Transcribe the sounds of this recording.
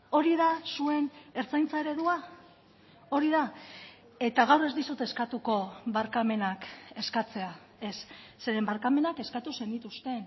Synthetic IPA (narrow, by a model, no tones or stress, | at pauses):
o̞ɾiðasue̞ne̞ɾt͡sajnt͡sae̞ɾe̞ðua | o̞ɾiða | e̞t̪aɣawre̞zd̪isut̪e̞skat̪uko̞βaɾkame̞nake̞skat͡se̞a | e̞sːe̞ɾe̞mbaɾkame̞nake̞skat̪use̞nd̪it̪ust̪e̞n